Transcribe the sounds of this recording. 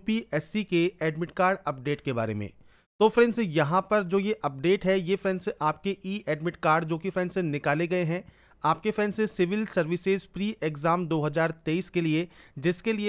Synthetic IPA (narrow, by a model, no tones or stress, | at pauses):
piʔɛːsikeɛːɖmɪʈkaːɾɖɐp̚ɖeːʈkeba̰ːɾḛmḛ̃ː | t̪oːfɾɛ̃ːnsjɐɦãpɐɾd͡ʒoːjeʔɐp̚ɖeːʈɦɛjefɾɛ̃ːnseʔaːp̚keʔiːʔɛːɖmɪʈkaːɾɖd͡ʒoːkifɾɛ̃ːnsẽnɪkaːleɡɐeɦɛ̃ | aːp̚kefɛːnsẽsɪʋɪlsɐɾʋɪsɪzpɾiːʔekzaːmd̪oːɦɐzaːɾt̪eːiːskelied͡ʒɪskelie